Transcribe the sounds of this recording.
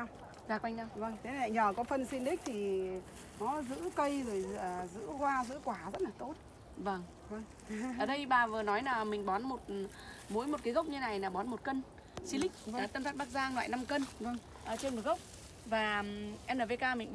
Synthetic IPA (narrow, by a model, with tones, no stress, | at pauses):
w | zaː˨˩kwa˧jŋɗa˧wvə˧ŋt̪ʰe˨˦˨a̰˧˨jɲəː˨˩kɔ˨˦fə˧nsi˧nɗ̪ï˦˥k̚t̪ʰi˨˩ | nɔ˨˦zɨ̰˧˥kə˧jzo˨˩jəː˨˩zɨ̰˧˥kwaː˧zɨ̰˧˥kwaː˧˩zə˦˥t̚laː˨˩t̪o˦˥t̚ | və˧ŋ | və˧ŋ | ʔəː˨˩ɗə˧jɓaː˨˩vɨ˨˩nɔ˨˦jlaː˨˩mï˨˩ŋ̟ɓɔ˨˦nmo˨˩t̚ | mṵ˨˦jmo˨˩t̚ka˨˦ɣə˦˥wk͡p̚ɲɨ˧na˨˩jlaː˨˩ɓɔ˨˦nmo˨˩t̚kə˧n | si˧lï˦˥k̟̚ːt̪ə˧mt̪ʰa˦˥ɓa˦˥k̚zaː˧ŋlwa̰ː˧˨jna˧mkə˧nvə˧˩ŋ | ʔəː˨˩t͡ɕe˧nm̚˨˩ɣə˦˥wk͡p̚ | vaː˨˩ʔɛ˧nəː˨˩ve˧kaː˧mï˨˩ŋ̟